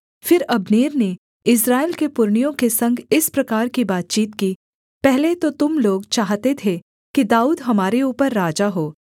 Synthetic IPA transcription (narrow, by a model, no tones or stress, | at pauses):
fɪɾɐbneːɾne | ɪs̬ɾaːelkepʊɾɳ̃ijõkesɐ̃ŋɡʱɪspɾɐkaːɾkibaːt̪̚t͡ʃiːt̪kiː | pɛɦlet̪ot̪ʊmloːɡt͡ʃaːɦt̪et̪ʰe | kid̪aːuːd̪ɦɐmaːɾeuːpəɾːaːd͡ʒaɦoː